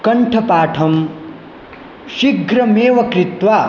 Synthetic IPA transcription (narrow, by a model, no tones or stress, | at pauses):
kɐɳʈʰɐpaːʈʰɐm | ʃiɡʱɾɐmeːʋɐkɾit̪ʋaː